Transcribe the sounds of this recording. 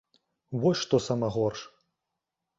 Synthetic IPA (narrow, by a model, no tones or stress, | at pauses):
vɔsʲʂt̪ɔsɐmɐɣɔrʂ